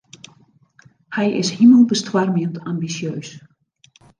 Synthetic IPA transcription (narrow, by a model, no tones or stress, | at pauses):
hɛjʔɪ̰shiməlˠbəstwarmjəntambisjøːs